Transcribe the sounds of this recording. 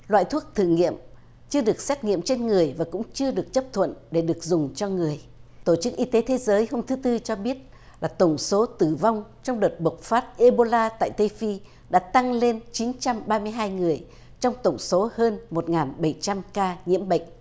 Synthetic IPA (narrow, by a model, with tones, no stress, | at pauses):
lwa̰ː˧˨jt̪ʰu˦˥ək̚t̪ʰɨ˧˨˩ŋḭ˧˨əm | t͡ɕɨ˧əɗɨ˨˩ək̚sɛ˦˥t̚ŋḭ˧˨əmt͡ɕe˧nŋɨ˨˩əjvaː˨˩kʊ̰˧˥ŋ͡mt͡ɕɨ˧əɗɨ˨˩ək̚t͡ɕə˦˥p̚t̪ʰwə̰˧˨nɗe˧˩ɗɨ˨˩ək̚zʊ˨˩ŋ͡mt͡ɕɔ˧ŋɨ˨˩əjt̪o˧˩t͡ɕɨ˦˥k̚ʔi˧t̪e˨˦t̪ʰe˨˦zəː˨˦jho˧mt̪ʰɨ˨˦t̪ɨ˧t͡ɕɔ˧ɓi˦˥ət̚ | laː˨˩t̪ə˧˩wŋ͡mso˨˦t̪ɨ˧˩va˧wŋ͡mt͡ɕɔ˧wŋ͡mɗəː˨˩t̚ɓə˨˩k͡p̚faː˦˥t̚ʔe˧ɓo˧laː˧t̪a̰ː˧˨jt̪e˧fi˧ | ɗa̰ː˧˥t̪a˧ŋle˧nt͡ɕi˨˦nt͡ɕa˧mɓaː˧mɨ˧əjɦaː˧jŋɨ˨˩əj | t͡ɕɔ˧wŋ͡mt̪ə˧˩wŋ͡mso˨˦həː˧nmo˨˩t̚ŋaː˨˩nɓə˧˩jt͡ɕa˧mkaː˧ɲḭ˧˥əmɓə̰˧˨jŋ̟